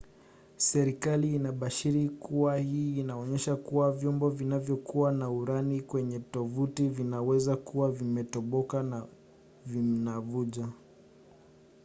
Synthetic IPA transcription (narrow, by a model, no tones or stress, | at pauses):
sɛɾikaliːnaɓaʃiɾikuwahiːnaɔɲɛʃakuwavjɔmbɔvinavjɔkuwanauɾanikwɛɲɛtɔvutivinawɛzakuwavimɛtɔɓɔkan | vinavuʄa